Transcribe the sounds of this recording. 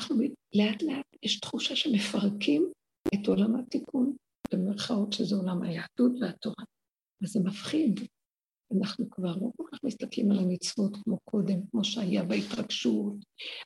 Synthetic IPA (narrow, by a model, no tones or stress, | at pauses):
naχnumileatleatjɛʃtχuʃaʃeme̞faʁkim | eto̞lamhatikun | bb̥emeʁχaotʃezeolamhajaːd̥utveat̪o̞ʁa | vazemafχid | anaχnukvaʁloko̞lkaχmist̪aklimalamit͡svotkmo̞kʰo̞de̞mkmo̞ʃeajabeitʁaɡʃut